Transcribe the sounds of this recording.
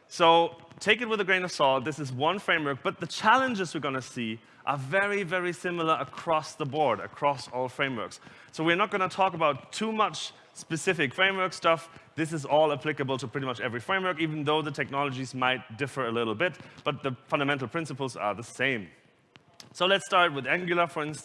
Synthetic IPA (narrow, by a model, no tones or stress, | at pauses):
soʊtʰeɪkɨt̚wɨðəɡɹẽɪ̃nə̥sɔlˠt̪̚ðɪsɨzwʌ̃nfɹẽɪ̃mwɜ˞k̚b̥ʌt̪̚ðɨt͡ʃʰælˠə̃nd͡ʒɨzwɨɹɡʌnɨsi | ʔə˞vɛɹivɛɹisɪ̃ml̩ˠə˞ʔəkʰɹ̥ɔsðəbɔɹɾɨ̰kʰɹ̥ɔsɔlˠfɹẽɪ̃mwɜ̰˞ks | soʊwiə˞nət̚ɡ̥ʌnətʰɔkəbaʊtʰumʌt͡ʃ | spɨsɪfɨkfɹẽɪ̃mwɜ˞kstʌfðɪs̬ɨzɔlˠəpʰl̥ɪkəbəl̩ˠtʰəpʰɹ̥ɪɾimʌt͡ʃɛvɹifɹẽɪ̃mwɜ˞kiṽn̩ðoʊðətʰɛk̚nɑlˠəd͡ʒizmaɪt̚d̥ɪfə˞əlɪɾl̩ˠbɪt̚b̥ʌt̪̚ðəfʌ̃ndəmɛ̃ntˡl̩ˠpʰɹ̥ɪ̃nsəpl̩ˠzə̰˞ðəsẽɪ̃m | soʊlɨtstɑɹt̚wɨðæ̃ŋɡjl̩ˠə˞fə˞ɪ̃ns